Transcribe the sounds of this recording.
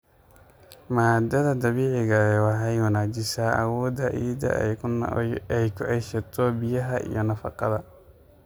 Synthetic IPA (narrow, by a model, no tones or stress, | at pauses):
maːd̪ɐðɐd̪ɑβiːʕɪɣɐɛwɑħɑjwɐnaːt͡ʃɪsaːʔɐ̰wɔːd̪ɐʕiːd̪ɐ̰ | ɛjkʰʊʕɛjʃɐt̪ʰɔbɪjɐɦɐʔḭjɞnɐfɑqɑðɐ